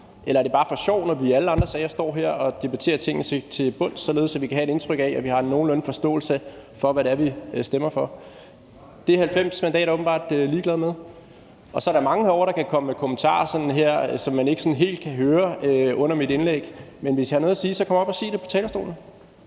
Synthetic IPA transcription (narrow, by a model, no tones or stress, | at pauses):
ʔelɐæɐd̥e̝bɑ̈ːfɒ̽ɕɒʊ̰nɒʋiæləɑ̈nd̥ʁɐsɛɪɐsd̥ɒ̰ːɦeɐ̰ɒ̽d̥e̝b̥æt͡sʰe̝̰ːɐt͡sʰe̝ŋ̰nət͡sʰet͡sʰe̝b̥ɔ̽n̰d̥sɒ̽le̝ð̞̩ˠsæʋikʰæɦæed̥e̝nt͡sʰʁœɡ̥ɛæʋihɑ̈no̝ːn̩lɔn̩fɒ̽sd̥ɔ̰ːl̩səfɒ̽ʋæɾeɐʋisd̥emɐfɒ̽ | d̥e̝hælfem̰smændɛ̰ːɾæɐoːbm̩bɑ̰̈ːd̥liːɡ̥lɛðˠmeð̞ˠ | ʔɒ̽sɒɐɾɑ̈mɑ̈ŋəhɒ̰ʊɾ̥ɑ̈kʰækʰɒ̽məmekʰomnt͡sʰɑ̰̈ːɐsɒ̽nn̩ɦeɐ̰sɒ̽mːæne̝ɡ̥əsɒ̽nɦe̝̰ːld̥̚kʰæɦøːɐøɔ̽n̰ɐmid̥e̝nleɡ̥menʋesj̥ihɑ̈noːðˠɐsiːsɒkʰɒ̽mɐb̥æsḛːd̥e̝pʰɒ̽t͡sʰɛːlɐsd̥o̝̰ːln̩